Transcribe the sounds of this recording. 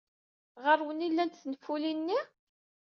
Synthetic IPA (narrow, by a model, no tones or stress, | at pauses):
ʁəɾwənilːænt̪θnəfːulinːi